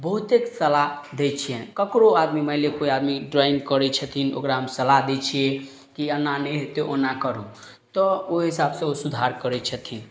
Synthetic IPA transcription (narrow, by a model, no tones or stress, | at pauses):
bəɦut̪eksəlaɦd̪et͡ʃʰijenkəkɾoad̪miməɪlekoiad̪miɖɾainkəɾɛt͡ʃʰət̪ʰino̰kɾaɦəmsəlaɦd̪et͡ʃʰije | kiənːanɛɦet̪eʔonakəɾũ | t̪ɔoɦisabsẽosud̪ʱaɾkəɾɛt͡ʃʰət̪ʰin